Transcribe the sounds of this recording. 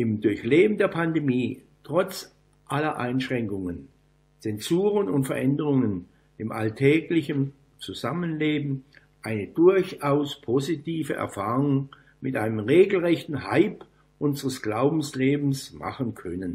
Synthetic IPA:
ʔɪmdʊɐçleːbm̩deːɐpʰandemiː | tʁ̥ɔt͡s | ʔalɐʔaɪnʃʁ̥ɛŋkʊŋən | t͡sɛnzuːʁənʊntfɛɐʔɛndəʁʊŋən | ɪmʔa̰ltʰɛːɡlɪçən | t͡suzamənleːbm̩ | ʔaɪnədʊɐçaʊspʰozitʰiːvə̰ʔɛ̰ɐfaːʁʊŋ | mɪtʔaɪnəmʁeːɡl̩ʁɛçtn̩ɦaɪp | ʔʊnzəʁəsɡ̥laʊbm̩sleːbm̩sma̰χənkʰœnən

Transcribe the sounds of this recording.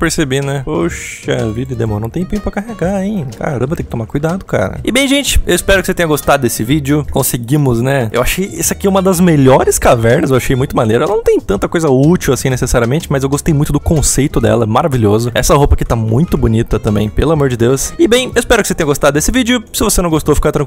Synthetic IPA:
peɾsebinɛpoʃɐ̰vid̪ɐɪd̪emõɾnɐ̃w̃t̪ẽj̃pẽj̃ʊpɾɐkaɦeɡaẽka̰ɾɐ̰̃mbɐt̪ẽkɪt̪õmaɾkujd̪ad̪ʊka̰ɾɐ̰ɪbẽj̃ʒẽnt͡ʃɪ̥ewispɛɾʊkɪset̪ẽɲɐɡost̪ad̪ʊd̪esɪvid͡ʒɪʊkõsɪɡĩmʊznɛewaʃʊejɛsɐakiɛumɐd̪ɐzmeʎɔɾɪskavɛɾnɐzewaʃejmũj̃t̪ʊmaneɾɐɛlɐnɐ̃w̃t̪ẽj̃t̪ɐ̃nt̪ɐkojzɐut͡ʃiwasĩnesesaɾiɐmẽnt͡ʃɪmɐzewɡost̪ejmũj̃t̪ʊd̪ʊkõsejt̪ʊd̪ɛ̰lɐmaɾaviʎʲiɔzʊɛ̰sɐhowpɐkɪt̪amũj̃t̪ʊbʊnit̪ɐt̪ɐ̃mbḛ̃j̃pelʊamoɾd͡ʒɪd̪ewsɪbẽj̃ewɪspɛɾʊkɪset̪ẽɲ̃ɐɡost̪ad̪ʊd̪esɪvid͡ʒʊsɪvosenɐ̃w̃ɡost̪owfi̥kaɾt̪ɾɐ̃k

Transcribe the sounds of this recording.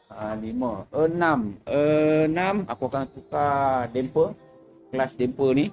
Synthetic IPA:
aliməʔənamənamakuakansukadɛmpə | klasdɛmpəni

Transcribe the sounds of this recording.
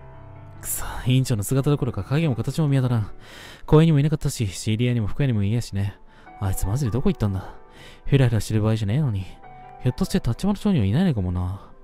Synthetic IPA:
sḁːĩɲ̟t͡ɕo̞ːnosɨɡat̪ad̪oko̞ɾo̞kakaɡʲemo̞kat̪at͡ɕimo̞mʲiat̪aɾãɴko̞ːeɲ̟imo̞inakat̪ːaɕiɕiɾʲiaɲ̟imo̞ɸkɯ̟jaɲ̟imo̞ijaɕine̞ | ait͡sɨmazɨd̪ed̪o̞ko̞it̪ːãnd̪a | çɯɾahɯɾaɕit̪eɾɯ̟baːiʑaneino̞ɲ̟i | çot̪ːoɕi̥t̪et̪at͡ɕimanoɕo̞ːɲiβainainaikamona

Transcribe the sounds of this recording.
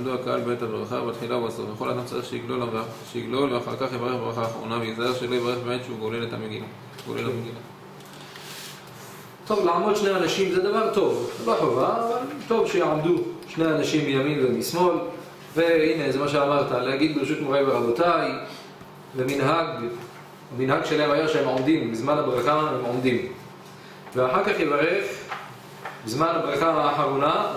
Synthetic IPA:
jamd̪uakaʔa̰lbet̪abʁa̰χa̰bet̪χilaubaso̰fveχo̞lad̪amt͡sa̰ʁiχʃejiɡlolaʃejiɡlo̞lveaχa̰ʁkaχjevaʁeχbʁa̰χaːχʁo̞̰naveizaeʁʃelojivaʁeχbemet̪ʃeuɡole̞let̪a̰meɡḭla | ɡo̰lelmeɡila | t̪o̞vlaʕamo̞d̪ʃneanaʃimzed̪avaʁt̪o̞vevaħovaːvalt̪o̞vʃejiʕamd̪uʃnejanaʃimːijamimvenismo̞l | ve̞hine̞zemaʃ̬eamaʁt̪alehaɡid̪̚beʁeʃut̪moʁejbeʁabotaj | beminɦaɡ | aminɦaɡʃelahemajeʃehemʕomd̪imbizmanabʁaχahemʕomd̪im | veaħaʁkaχjevaʁe̞χ | bizmanabʁaχamaːħaʁona

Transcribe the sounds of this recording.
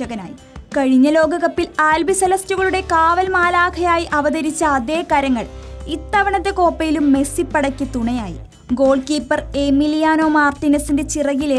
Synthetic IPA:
ɐɣɐna̰ːji | kɐɻiɲːɐlo̞ːɡɐɣɐpːilaːlbisɐlɐstuɣɐɭuɽe̞kaːʋɐlmaːlaːkʰɐjaːjiʔɐʋɐðɐɾit͡ɕːɐːd̪e̞ːkɐɾɐŋːɐɭit̪ːɐʋɐɳɐt̪ːe̞ko̞ːpːɐjilumːe̞sipːɐɽɐkʲːit̪uɳɐjaːjḭ | ɡo̞ːlkiːpːɐremilijaːno̞ːmaːrt̪inɐsinde̞t͡ɕirɐɣile

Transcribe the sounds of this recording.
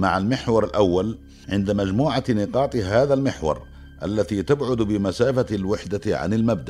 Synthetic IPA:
maʕalmɪħwɑɾˤɪlʔawːal | ʕɪnd̪amad͡ʒmuːʕanɪqɑːt̪ˤhaːðalmɪħwɑ̰ɾˤ | ʔa̰lːat̪iːt̪abʕʊd̪bɪmasaːfalwɪħd̪aʕa̰nɪlmab̚d̪aʔ

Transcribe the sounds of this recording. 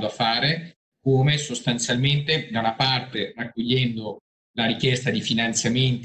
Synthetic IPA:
d̪oafːaːɾe | koːmesost̪ant̪sjalment̪ed̪anapart̪erakːoʎːɛnd̪o | laɾikjɛst̪ad̪ifinant̪sjament̪

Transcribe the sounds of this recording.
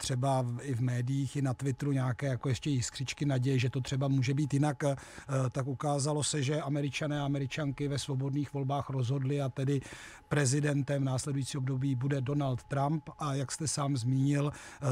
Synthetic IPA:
t̪r̝̥ɛbaɪvmɛːdɪjiːxɪnat̪vɪt̪ɾuɲaːkɛːjako̞jɛʃcɛjɪskr̥ɪt͡ʃkɪnaɟɛjɪʒɛt̪o̞t̪r̥ɛbamuːʒɛbiːt̪jɪnak | t̪akʔukaːzalo̞sɛʒɛʔamɛɾɪt͡ʃanɛːaamɛɾɪt͡ʃaŋkɪvɛsvo̞bo̞dniːxvo̞lbaːxɾo̞zɦo̞dlɪat̪ɛdɪ | pɾɛzɪdɛnt̪ɛmvnaːslɛdujit͡siːobdo̞biːbudɛdo̞nalt̪ːɾampʔajakst̪ɛsaːmzmiːɲɪl

